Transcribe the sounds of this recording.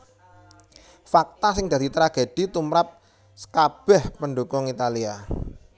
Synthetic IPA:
fak̚t̪asɪŋd̪ä̤d̪̥i̤t̪ɾaɡ̥ed̪̥i̤t̪umɾap̚ | sə̥kab̥ɛhpənɖokʊŋit̪alia

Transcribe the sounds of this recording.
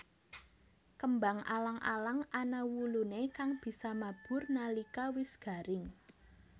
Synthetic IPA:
kəmbaŋa̰laŋʔa̰laŋanawulunekaŋb̥i̤samab̥ʊ̤rnalikawɪsɡ̥a̤ɾɪŋ

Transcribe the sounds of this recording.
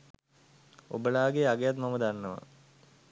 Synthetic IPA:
o̰bəlaːɡeaɡejat̪̬mɐməd̪anːəʋɐ̰

